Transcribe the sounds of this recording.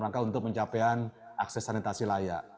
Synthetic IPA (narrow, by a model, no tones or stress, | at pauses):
laŋkaunt̪ʊk̚məɲt͡ʃapɛanʔak̚sɛsanit̪asilaja̰ʔ